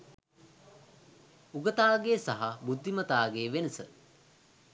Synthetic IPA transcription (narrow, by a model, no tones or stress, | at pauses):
uɡət̪aːɡeːsaɦabud̪ʱːimət̪aːɡeːʋenəsə